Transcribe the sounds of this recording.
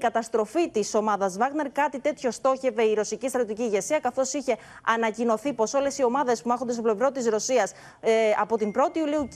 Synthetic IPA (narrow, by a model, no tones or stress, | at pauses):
kɐt̪ɐst̪ɾo̞fit̪iso̞mɐðɐzvɐɣne̞ɾkɐt̪it̪e̞t̪ço̞st̪o̞çe̞ve̞iɾo̞sicist̪ɾɐt̪ot̪iciːʝe̞siɐkɐθo̞siçe̞ | ɐnɐcino̞θipo̞so̞le̞sio̞mɐðe̞spumɐxond̪et̪ople̞vɾo̞t̪izɾo̞siɐs | ɐpo̞t̪imbɾo̞t̪iuliu